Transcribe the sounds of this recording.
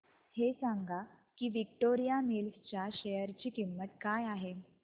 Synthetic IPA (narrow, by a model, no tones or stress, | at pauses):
hesaŋɡʱa | kiːʋik̚ʈoɾijamilft͡ɕjaɕejəɾt͡ɕiːkimːət̪kajaɦe